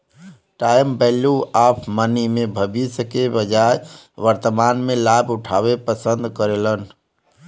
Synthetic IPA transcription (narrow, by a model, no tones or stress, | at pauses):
ʈaːjmbɛluaːpʰmənimẽbʱəbiskebəd͡ʒaːj | ʋəɾt̪əmaːnmẽlaːbʱʊʈʰawepəsənd̪kəɾelən